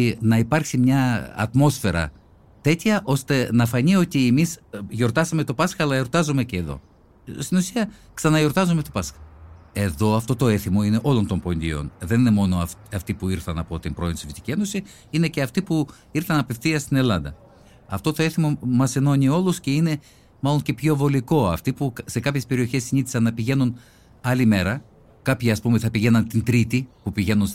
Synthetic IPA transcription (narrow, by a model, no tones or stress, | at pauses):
nɐipɐɾksimɲɐ̰ːt̪mo̞sfe̞ɾɐ̰ | t̪e̞t̪çɐʔo̞st̪e̞nɐfɐnio̞t̪iemisʝo̞ɾt̪ɐsɐme̞t̪o̞pɐsxɐːlɐjo̞ɾt̪ɐzome̞ceːðo̞̰ | st̪inusiɐksɐnɐʝo̞ɾt̪ɐzomet̪opɐsxɐ̥e̞ðo̞ɐft̪o̞t̪o̞e̞θimo̞ine̞ʔo̞lo̞nt̪o̞mpo̞nd̪ḭo̞̰nðe̞nine̞mo̞no̞ɐɐft̪ipuiɾθɐnɐpo̞t̪impɾo̞insivfit̪i̥cie̞no̞si | ine̞ceɐft̪ipu | iɾθɐnɐpefθiɐst̪ine̞lɐnd̪ɐ | ɐft̪o̞t̪o̞eθimo̞mɐse̞no̞ɲio̞lusce̞ine̞ | mɐlo̞nce̞pço̞vo̞liko̞ɐft̪ipukse̞kɐpçespe̞ɾio̞çe̞sːiniθi̥sɐnːɐpiʝe̞nun | ɐlime̞ɾɐ | kɐpçiɐspumeθɐpiʝe̞nɐnt̪int̪ɾit̪ipupiʝe̞nuns